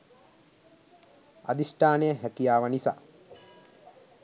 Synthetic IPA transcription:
a̰d̪isʈaːnejəɦækijaːʋənisa̰ː

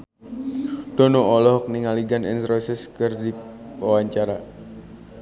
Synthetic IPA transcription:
d̥ɔnɔɔlɔɦɔk̚niŋaliɡanɛ̰nt̪ɾɔisɛskɨrdi | wawaɲt͡ʃaɾa

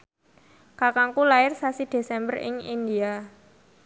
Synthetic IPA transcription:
kakaŋkulaɪrsasid̪̥e̤sɛmbərɪ̰ŋind̪ia

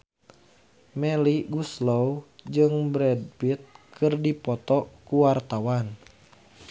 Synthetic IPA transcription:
mɛliɡuslowd͡ʒɨŋbɾɛd̚bit̪̚kʰɨrdipɔt̪ɔkuwart̪awan

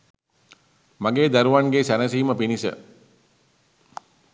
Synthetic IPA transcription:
maɡeːd̪æɾuʋanɡesænəsiːməpinisə̰

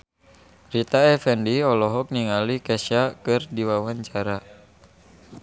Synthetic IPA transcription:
rit̪aɛfɛndiɔlɔɦɔk̚niŋalikɛʃakɨrdiwawaɲt͡ʃaɾa

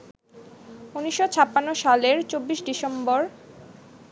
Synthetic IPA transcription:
uniʃːot͡ɕʰapːanːoʃaleɾt͡ɕobːiʃɖisemboɾ

